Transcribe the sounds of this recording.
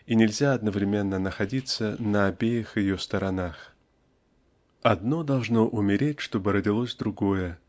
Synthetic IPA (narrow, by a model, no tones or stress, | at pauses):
inʲɪlʲzʲaɐd̪nəvɾʲɪmʲe̞nːənəxɐdʲit̪sənəɐbʲejɪxjɪjost̪əɾɐnax | ɐd̪no̞d̪ɐlˠʐno̞ʔʊmʲɪɾʲetʲʂt̪o̞bɨɾədʲɪlˠosʲd̪ɾʊɡo̞jə